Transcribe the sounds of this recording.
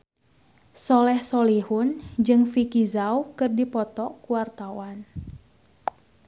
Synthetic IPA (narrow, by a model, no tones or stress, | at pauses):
sɔlɛhsɔlihʊnd͡ʒɨŋfikizawkɨrdipɔt̪ɔkuwart̪awan